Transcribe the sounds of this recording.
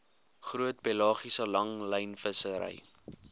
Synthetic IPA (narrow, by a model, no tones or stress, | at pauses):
χruət̚pelɑːχisəlɐŋləjnfəsəɾə̰j